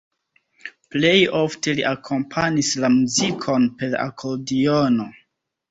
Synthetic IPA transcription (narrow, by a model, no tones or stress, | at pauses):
ple̞jo̞fte̞lḭʔakʰo̞mpʰanislamuzikʰo̞npe̞ɾa̰kʰoɾdiono̞